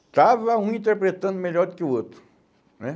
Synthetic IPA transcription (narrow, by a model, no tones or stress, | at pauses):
taʋaɦũĩnt̪̬eɾpɾet̪ə̃nd̪melɔd̪̚kiuot̪u̥ | ɛ